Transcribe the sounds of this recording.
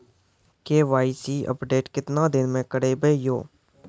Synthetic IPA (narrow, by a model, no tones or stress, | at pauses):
keːʋaːiːsiːʔə̰pɖeːʈkɪt̪nãːd̪ɪnmẽkəɽeːbeːjoː